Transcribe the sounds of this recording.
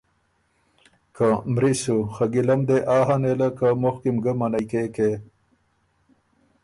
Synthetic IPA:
kamɾisuxaɡilɐmd̪eʔaːɦanelakamoxkimɡəmanajkeke

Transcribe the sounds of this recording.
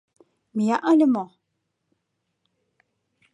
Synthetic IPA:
məjaʔanəmɔ

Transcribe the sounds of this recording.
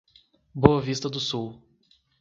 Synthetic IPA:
boɐvist̪ɐd̪ʊsuw

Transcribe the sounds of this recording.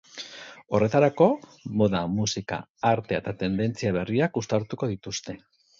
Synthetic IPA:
o̞re̞t̪aɾako̞mo̞ðamusika̰ːɾt̪e̞et̪at̪e̞nd̪e̞nt͡siaβ̞e̞riakust̪aɾt̪uko̞ðit̪ust̪e̞

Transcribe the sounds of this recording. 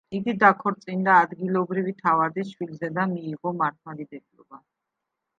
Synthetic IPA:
iɡid̪akʰɔɾt̪sʼind̪aːd̪ɡilˠɔbɾivit̪ʰavad̪iʃwilzɛd̪amiːʁɔmaɾt̪ʰmad̪id̪ɛkʼlɔ̰ba

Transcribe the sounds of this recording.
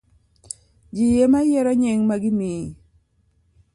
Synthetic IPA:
d͡ʒijemajɛɾɔɲɛŋmaɡɪnɪ

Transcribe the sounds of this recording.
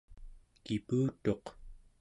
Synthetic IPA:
kipuːt̪o̞q

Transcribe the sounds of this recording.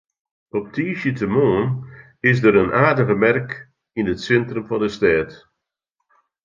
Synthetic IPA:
ɔp̚tʰiːʃjətʰəmoːn | ɪs̬dəɾənʔaːdəɣəmɛrk | inətsɛntrəmfɑndəstɛːt

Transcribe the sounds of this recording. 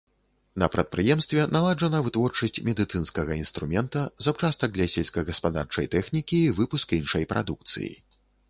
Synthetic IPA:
nɐ̰pɾɐt̪̚pɾɨjɛmst̪vʲɛnalˠaʐɐnɐvɨt̪vɔrt͡ʂɐsʲt͡sʲmʲɛd̪ɨt̪sɨnskɐɣɐinst̪ɾumʲɛnt̪ɐzawt͡ʂast̪ɐɡ̚d̪lʲɐsʲɛlʲsʲkɐɣɐspad̪a̰rt͡ʂɐ̰jt̪ɛxnʲikʲiːvɨpuskinʂɐjpɾʔa̰d̪uk̚t̪sɨ̰jḭ

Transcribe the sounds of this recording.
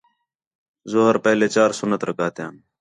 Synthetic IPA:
zoɦəɾpeɦleːt͡ɕaːɾsʊnət̪ɾəkaːt̪jãːn

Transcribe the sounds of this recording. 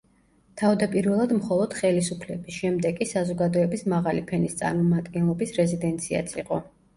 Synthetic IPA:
t̪ʰavd̪apʼiɾvɛlˠad̪mχɔlˠɔd̪̥χɛlisupʰlɛbisʃɛmd̪ɛɡʼisazɔɡad̪ɔɛbismaʁalipʰɛnist̪sʼa̰ɾmɔmad̪ɡɛnlˠɔbisɾɛzid̪ɛnt̪sʰia̰t̪sʰiqʼɔ

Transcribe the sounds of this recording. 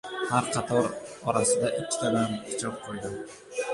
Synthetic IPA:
haɾqʰɑt̪ʰɒɾɒɾasɪd̪aʔɪkʲʰːɪ̥t̪ʰamankʰɪ̥t͡ʃʰɾɪp̚qʰojd̪ɪ

